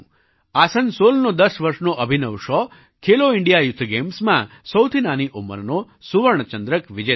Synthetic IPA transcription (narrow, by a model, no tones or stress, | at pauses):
asənsolnod̪əsʋəɾʃnoʔəbʱinəʋʃɔ | kʰeloiɳɖijajʊt̪ʰːɡemsmã̰səwt̪ʰinaniʔumə̰ɾno | suʋəɳ̃t͡ʃənd̪ɾəkʋid͡ʒe